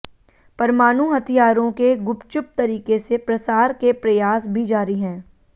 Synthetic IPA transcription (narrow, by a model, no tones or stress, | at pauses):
pɐɾmaːnuɦɐt̪ʰijaːɾõkeɡʊpt͡ʃʊp̚t̪ɐɾiːkesepɾɐsaːɾkepɾɐjaːsbʱid͡ʒaːɾiɦɛ̃ː